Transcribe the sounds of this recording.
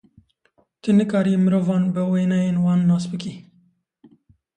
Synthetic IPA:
t̪ʰɨnɨkɑːɾiːmɨɾoːvɑːnbɨweːnɛjeːnwɑːnːɑːsbɨkiː

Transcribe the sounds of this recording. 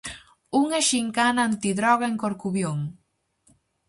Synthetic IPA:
uŋeʃiŋkanant̪iðɾɔɣaeŋkoɾkuβjoŋ

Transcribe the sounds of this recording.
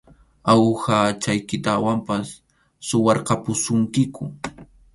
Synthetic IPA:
awxat͡ʃajkɪt̪awampasː | ʊwɑɾqɑpʊsʊŋkɪkʊ

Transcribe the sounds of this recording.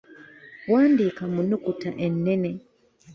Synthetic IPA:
waːndikamunukutaʔenːene

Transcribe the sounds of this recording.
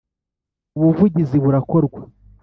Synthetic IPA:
uβuvuɟiziβuɾako̞ɾɡwa

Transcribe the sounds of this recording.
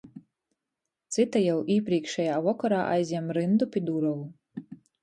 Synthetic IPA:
t̪sɨt̪ajawʔiːpɾʲiɛkʃɛjaːvɔkɔɾaːʔa̰jzʲjɛmɾɨnd̪upʲid̪uɾɔwu

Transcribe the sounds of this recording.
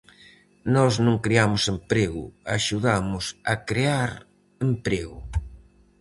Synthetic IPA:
nɔznõŋkɾeamʊsempɾeɣʊ̰aʃuðamʊsakɾeaɾ | empɾeɣʊ

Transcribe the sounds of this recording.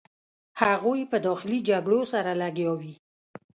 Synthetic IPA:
haɣojpəd̪ɔxɪlid͡ʒaɡɽosaɾalaɡjɑwi

